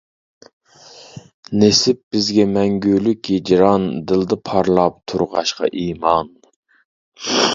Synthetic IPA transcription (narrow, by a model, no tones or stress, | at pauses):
nesɪp̚b̥ɪzɡʲɛmɛŋɡʲylykʲjed͡ʒɾɑnd̪ɨlˠd̪ɨpʰɑɾlˠɑp̚t̪ʰuɾʁɑ̰ʃqɑ̰ʔimɑn